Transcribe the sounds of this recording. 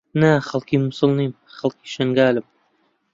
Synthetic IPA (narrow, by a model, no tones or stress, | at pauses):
naχalˠkimʊsʊlˠnim | χalˠkʰi̥ːʃaŋɡaːlɪm